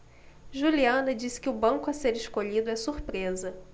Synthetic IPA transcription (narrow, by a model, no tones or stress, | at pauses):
ʒuliɐ̃nɐd͡ʒisɪ̥kɪʊbɐ̃ŋkʊaseɾɪʃkoʎid̪ʊɛsuɾpɾezɐ